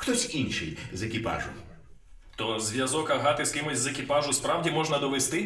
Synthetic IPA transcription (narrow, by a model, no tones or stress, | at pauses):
xt̪ɔsʲinʲʃɪ̰jzekʲipɑ̰ʒʊ̰w | t̪ɔzʋʲjɐzɔkɐɦɑt̪ɪskɪmɪzʲzekʲipɑʒʊspɾɑwdʲimɔʒnɐd̪ɔʋest̪ɪ